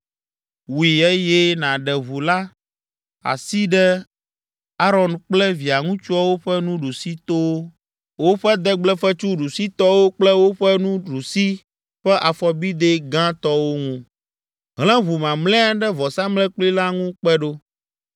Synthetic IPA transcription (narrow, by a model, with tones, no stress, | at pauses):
wi˨e˦jɛ˦nã˨ɖɛ˨βu˨la˦ | a̰˨si˦ɖɛ˦ | a˦ɾɔ˨nk͡plɛ˦vi˨a˨ŋũ˦t͡ʃu˦a˦wo˦ɸɛ˦nũ˦ɖu˨si˦t̪o˦wo˦ | wo˦ɸɛ˦d̪ɛ˦ɡ͡blɛ˦fɛ˦t͡ʃu˦ɖu˨si˦t̪ɔ˦wo˦k͡plɛ˦wo˦ɸɛ˦nũ˦ɖu˨si˦ | ɸɛ˦ʔa˨fɔ˨bi˦d̪e˦ɡã˦t̪ɔ˦wo˦ŋũ˦ | ɦlɛ̃˦βu˨mã˨mlɛ̃˦a˦ɖɛ˦vɔ˨sa˦mlɛ̃˦k͡pli˦la˦ŋũ˦k͡pɛ˦ɖo˦